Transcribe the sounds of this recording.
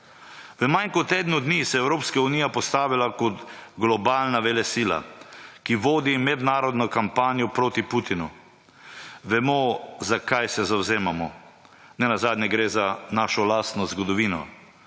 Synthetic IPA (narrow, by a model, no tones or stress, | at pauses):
ʋəmajnkɔt̪eːd̪nud̪nisɛɛwɾoːpskauniːjapɔst̪aːʋilakɔt̪ɡlɔbaːlnaʋɛlɛsiːla̰kiʋoːd̪imɛd̪naːɾɔd̪nɔkampaːnjɔpɾoːt̪iput̪inṵ | ʋɛmɔzakajsɛzawzeːmamɔ | nɛnazaːd̪nʲjɛɡɾezanaːʃɔlaːst̪nɔzɡɔd̪ɔʋiːnɔ̰